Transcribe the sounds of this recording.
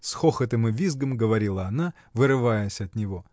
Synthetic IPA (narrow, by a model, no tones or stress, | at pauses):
sxoxət̪ɨmɨvʲizɡəmɡəvɐɾʲilˠəɐna | vɨɾɨvajəsʲɐt̪nʲɪvo